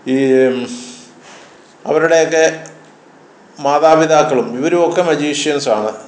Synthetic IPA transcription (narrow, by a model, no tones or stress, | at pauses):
iː | ɐ̰ʋɐɾuɽe̞jokːe̞ | maːðaːbid̪aːkːɐɭumiʋɐɾumo̞kːe̞mɐd͡ʑiːʂjɐnsaːɳɨ